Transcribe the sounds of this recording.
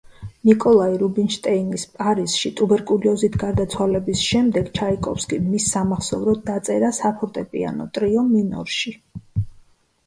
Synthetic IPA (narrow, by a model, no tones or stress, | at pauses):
nikʼɔlˠaiɾubinʃt̪ʼɛinɡispʼaɾiz̥ʃit̪ʼubɛɾkʼuliɔzit̪ʰɡaɾd̪at̪sʰwalɛbisʃɛmd̪ɛɡt͡ʃʰaikʼɔpskʼimisːamaχsɔvɾɔd̪at̪sʼɛɾasapʰɔɾt̪ʼɛpʼḭa̰nɔ̰t̪ʼɾiɔmːinɔ̰ɾʃi